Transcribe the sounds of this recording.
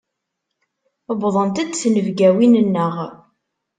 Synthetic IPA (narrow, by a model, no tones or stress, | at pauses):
əbðˤənt̪æd̪θnəvɡæwinənːəʁ